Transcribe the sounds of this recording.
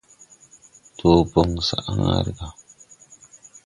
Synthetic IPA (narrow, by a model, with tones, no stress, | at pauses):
tʰo˨bo˦˨ŋsa̰˨ʔa̰˦ŋa̰˨ɾɡa˨